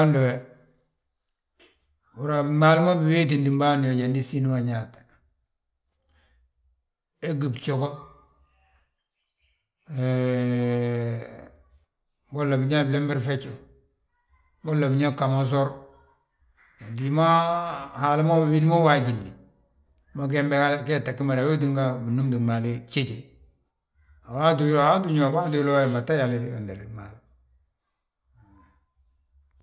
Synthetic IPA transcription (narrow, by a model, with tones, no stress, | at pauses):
ndo˨we | bu˨ɾa˨ma˨lma˦bi˨we˦t̬i˨ndi˨mba˦ndje˨ɟa˨ndi˦si˦nu˦wa˨ɲa˨tḁ | e˦ɡi˨bt͡ʃo˨ko˦ | e | bo˦lːa˨bɲa˦ble˦mbi˦ɾfe˦t͡ʃo | bo˦la˨bi˦ɲa˦ka˨mo˦s̬o˦ɾ | o˨di˨ma˦ha˨li˦ma˦ma˨wi˦di˦mo˦wa˨ɟi˨ndi˨ | ma˦ɡe˦mbe˦ha˦ke˦˨ta˨kːi˦ma˨ɾwo˦di˦ŋɡa˦mi˨nu˦mdi˨ma˨li˦t͡ʃe˦d͡ʒe˨ | a˨wa˦du˨jlo˦˨a˦du˦ɲo˨ba˦du˦lo˦˨ma˨ta˦ja˨li˦wa˨nda˨li˨ma˨l